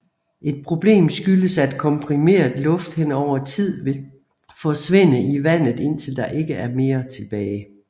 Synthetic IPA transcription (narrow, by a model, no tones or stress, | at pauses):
ʔe̝d̥̚pʰʁo̝b̥le̝̰ːmsɡ̥yləsæd̥kʰɒ̽mpʰʁime̝̰ːɐðˠlɔ̽fd̥henɒʊ̰ɐt͡sʰið̞̰ˠʋe̝l | fɒ̽sʋe̝nəiʋæn̰ð̞̩ˠe̝n̰t͡sʰe̝ld̥ɑ̈ʔe̝ɡ̥əæɐme̝ːɐt͡sʰe̝b̥ɛːɪ